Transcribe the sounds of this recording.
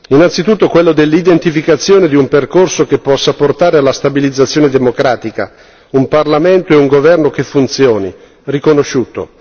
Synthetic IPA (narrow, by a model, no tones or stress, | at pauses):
inant̪sit̪ut̪ːokwelːod̪elːid̪ent̪ifikat̪sːjoːned̪iumperkorsokepːɔsːaport̪aːɾealːast̪abilid̪zːat̪sːjoːned̪emokɾaːt̪ika̰ | umparlament̪oɛuŋɡovɛrnokefːunt̪sjoːni | rikonoʃːuːt̪o̰